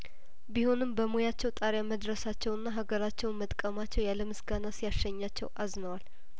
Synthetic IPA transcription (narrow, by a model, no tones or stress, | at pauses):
biho̞nɨmbəmojat͡ʃːɛwt̪ʼaɾjaməd̪ɾəsat͡ʃːɛwɨnːaɦaɡəɾat͡ʃːɛwnmət̪ʼkʼəmat͡ʃːɛwjaləmɨsɡanasijaʃəɲːat͡ʃːɛ̰wʔaznəwal